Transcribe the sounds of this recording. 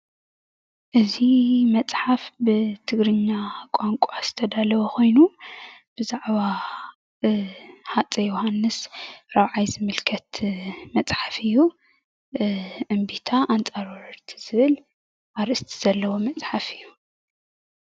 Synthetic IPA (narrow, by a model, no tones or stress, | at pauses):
ʔɨzimɐt͡sʼħafbɨt̪ʰɨɡɾɨɲːakʼaŋkʷʼoaz̥ɨt̪ʰɐd̪alɐwɐkʰo̞jnub̥ɨzaʕβa | ħat͡sʼejohanːɨsɾaβʕajzɨmɨlkʰɐt̪mɐt͡sʼħafɨjːu | ʔɨmbit̪ʰaʔant͡sʼaɾwɐɾɾt̪ʰi̥z̥ɨβɨl | ʔaɾʔɨst̪ʰi̥z̥ɐlːɐwo̞mɐt͡sʼħafɨjːu